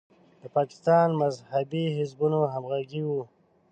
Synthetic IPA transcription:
d̪əpɑkɪ̥st̪ɑnmazhabiɦɪzbunoɦamɣaɡiwu

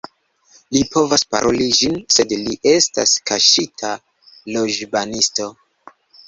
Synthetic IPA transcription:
lipo̞vaspa̰ɾʔo̞lid͡ʒinse̞dliʔe̞sta̰skaʃitʰa | lo̞d͡ʒbanisto̞

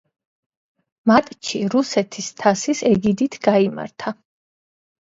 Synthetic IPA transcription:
mat̪ʼt͡ʃʰiɾusɛt̪ʰist̪ʰasisɛɡid̪it̪ʰɡ̥aima̰ɾt̪ʰa

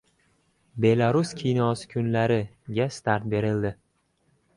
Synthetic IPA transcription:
be̞lˠaɾʊskʲʰijnɒsɪ̥kʲʰʊnlaɾɪ | ɡʲast̪aɾt̪̚be̞ɾɪld̪ɪ

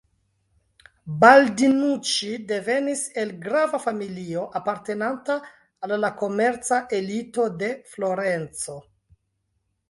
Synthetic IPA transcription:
baldinut͡ʃide̞ve̞nise̞lɡɾavafamilio̞ʔapaɾte̞nantaː | llako̞me̞ɾt͡saʔe̞lito̞de̞flo̞ɾe̞nt͡so̞

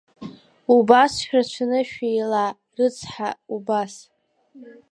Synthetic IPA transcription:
ubasʃᶣrat͡ʃʷʰanɨʃᶣijla | rɨt͡sʰħaubas

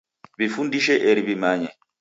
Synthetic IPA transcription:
bifundiʃɛʔeɾibimaɲɛ

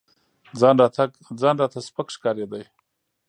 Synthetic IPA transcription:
d͡zɑnɾɑt̪aɡ | d͡zɑnɾɑt̪aspakʂkɑɾed̪aj

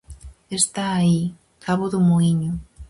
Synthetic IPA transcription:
est̪aːi | kʰaβʊðʊmoiɲʊ

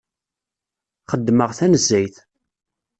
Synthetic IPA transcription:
χəd̪ːməʁθænəzːæjθ

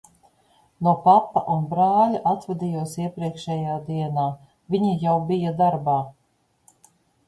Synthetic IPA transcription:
nupapːa̰ʔunbɾaːlʲaʔat̪vɛd̪ʲijuɔsiɛpɾiɛkʃɛjaːd̪iɛnaː | vʲiɲijawbijad̪aɾbaː

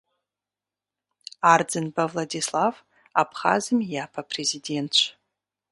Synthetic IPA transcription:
ard͡zɨnbavladislav | apʰχa̰zɨmjapʰapʰrezide̞ntt͡ʃʷʰ

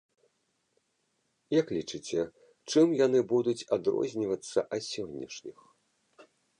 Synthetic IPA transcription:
jɐklʲit͡ʂɨt͡sʲɛ | t͡ʂɨmjanɨbud̪ut͡sʲad̪ɾɔ̰zʲnʲivɐt̪sːɐʔɐt̪sʲɔnʲːɐʂnʲix

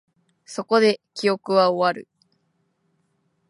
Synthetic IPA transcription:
so̞ko̞d̪e̞kʲio̞kɯ̟βaoβaɾɯ̟̰

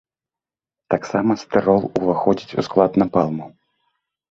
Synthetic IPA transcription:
t̪aksamɐst̪ɨɾɔlˠuvaxɔd͡zʲit͡sʲṵsklˠad̪nɐpalˠmu

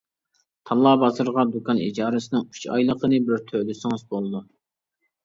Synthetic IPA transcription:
t̪ʰɑlˠːɑːbɑzɨɾʁɑd̪ukʰɑnḭd͡ʒɑːɾɨsɨnɪŋy̥t͡ʃɑ̰jlˠəqʰənɨbɪɾt̪ʰølysɪŋɨzbolˠɨd̪u

